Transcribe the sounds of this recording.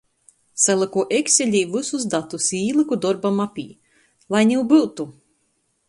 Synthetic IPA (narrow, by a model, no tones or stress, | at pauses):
salˠɨkuɔʔekʲsʲelʲiːvɨsusd̪at̪usiːlˠɨkud̪ɔɾbamapʲḭː | lˠajnʲiwbɨt̪u